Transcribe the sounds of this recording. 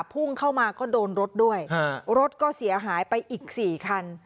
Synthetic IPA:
pʰːu˥˩ŋkʰa˥˩wmaː˧kɔː˥˩doː˧nɾo˦˥t̪̚du˥˩əjɾo˦˥t̪̚kɔː˥˩si˩˦ɐɦaː˩˦jpa˧jʔiː˨˩k̚siː˨˩kʰa˧n

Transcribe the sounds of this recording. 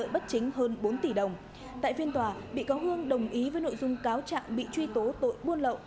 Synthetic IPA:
ə̰ː˧˨jɓə˦˥t̚t͡ɕï˨˦ŋ̟ɦəː˧nɓo˨˦nt̪i˧˩ɗə˨˩wŋ͡m | t̪a̰ː˧˨jfi˧ənt̪waː˨˩ɓḭ˧˨ka˨˦wɦɨ˧əŋɗə˨˩wŋ͡mʔi˨˦vəː˨˦jno̰˧˨jzʊ˧ŋ͡mkaː˨˦wt͡ɕa̰ː˧˨ŋɓḭ˧˨t͡ɕwi˧t̪o˨˦t̪o̰˧˨jɓu˧ənlə̰˧˨wʔ

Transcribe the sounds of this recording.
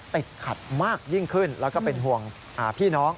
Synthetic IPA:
t̪i˨˩t̪̚kʰa˨˩t̪̚maː˥˩k̚ji˥˩ŋkʰɯ˥˩nlɛː˦˥kɔː˥˩pe˧nɦu˨˩əŋ | ʔaː˨˩pʰiː˥˩nɔː˦˥ŋ

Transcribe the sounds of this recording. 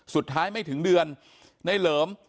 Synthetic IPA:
su˨˩t̪ʰːaː˦˥jma˥˩jt̪ʰɯ˩˦ŋdɯ˧ənː | a˧˩jlɤː˩˦m

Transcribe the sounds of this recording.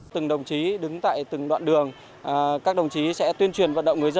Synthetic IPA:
t̪ɨ˨˩ŋɗə˨˩wŋ͡mt͡ɕi˨˦ɗɨ˨˦ŋt̪a̰ː˧˨jt̪ɨ˨˩ŋɗwa̰ː˧˨nɗɨ˨˩əŋ˨˩ | kaː˦˥k̚ɗə˨˩wŋ͡mt͡ɕi˨˦sɛ̰˧˥t̪wənt͡ɕwi˨˩ənvə˧nɗə̰˧˨wŋ͡mŋɨ˨˩əjzə˧

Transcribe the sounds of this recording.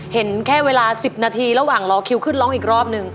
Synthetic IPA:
he˩˦nkʰɛː˥˩weː˧laː˧si˨˩p̚naː˧t̪ʰiː˧ɾa˧waː˨˩ŋlɔː˧kʰi˧wkʰɯ˥˩nlɔ˦˥ŋʔiː˨˩k̚ɾɔː˥˩p̚nɯ˧ŋ

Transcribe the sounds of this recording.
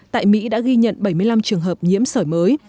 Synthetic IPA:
t̪a̰ː˧˨jmḭ˧˥ɗa̰ː˧˥ɣi˧ɲə̰˧˨nɓə˧˩jmɨ˧əla˧mt͡ɕɨ˨˩əŋɦəː˨˩p̚ɲḭ˧˥əmsəː˧˩jməː˨˦j

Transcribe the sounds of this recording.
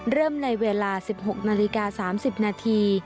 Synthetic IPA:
ɾɤː˥˩mna˧jweː˧laː˧si˨˩p̚ɦo˨˩k̚naː˧li˧kaː˧saː˩˦msi˨˩p̚naː˧t̪ʰiː˧

